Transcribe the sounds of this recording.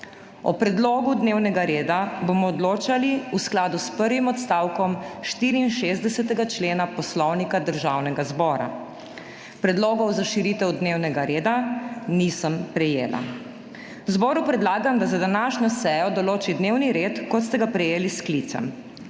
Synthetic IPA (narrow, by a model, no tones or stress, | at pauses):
ɔ̰pɾɛd̪loːɡud̪neːwnɛɡaɾeːd̪abomɔːd̪loːt͡ʃaliusklaːd̪uspəɾʋimɔt̪st̪aːwkɔmʃt̪iːɾiːnʃezd̪ɛsɛt̪ɛɡat͡ʃleːnapɔslɔwnikad̪əɾʒaːwnɛɡazbɔːɾa̰ | pɾɛd̪loːɡɔwzaʃiɾiːt̪ɛwd̪neːwnɛɡaɾeːd̪anisəmpɾɛjeːla̰ | wzbɔːɾupɾɛd̪laːɡamd̪azad̪anaːʃɲɔsɛjɔd̪ɔloːt͡ʃid̪newniɾeːt̪kɔt̪st̪ɛɡapɾɛjeːlisklit̪sɛ̰m